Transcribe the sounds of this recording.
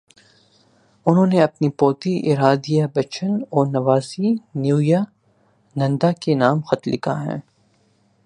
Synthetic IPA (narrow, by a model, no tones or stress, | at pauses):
ʊnɦõːneɐpnipɔːt̪iʔɪɾaːd̪ijabɐt͡ʃʰənɔːɾnɐʋaːsinjuːja | nɐ̃nd̪akenaːmxɐt̪lɪkʰaɦɛ̰̃ː